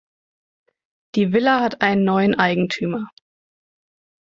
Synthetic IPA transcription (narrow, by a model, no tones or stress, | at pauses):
d̥iːvɪlahatʰʔaɪnənːɔʏənʔaɪɡŋ̩tʰyːmɐ